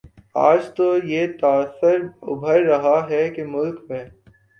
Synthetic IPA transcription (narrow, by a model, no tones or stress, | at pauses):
a̰ːd͡ʒt̪ojet̪aːsəɾʊ̰bʱəɾɐɦaɦɛkemʊlkpẽː